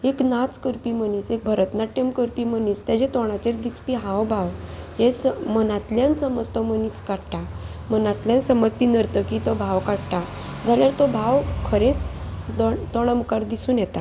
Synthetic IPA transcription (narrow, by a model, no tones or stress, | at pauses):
eknat͡skəɾpiməniːt͡sek̚bʱəɾət̪naʈemkəɾpiməniːst̪jad͡ʑet̪ɔɽ̃at͡ɕeɾd̪ispiɦawbʱawɦesəmənat̪ljansəməd͡zt̪ɔməniskaɽʈa | mənat̪ljansəməd͡zt̪inəɾt̪əkit̪ɔbʱawkaɽʈa | d͡zʱaljaɾt̪ɔbʱawkʰəɾet͡sd̪ɔt̪ɔɽ̃əmkaɾd̪isuːnjɛt̪a